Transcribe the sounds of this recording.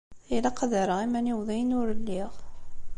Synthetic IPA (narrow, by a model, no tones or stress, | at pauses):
ilæqɑðəɾəʁimæniwðˤijnʊɾəlːiʁ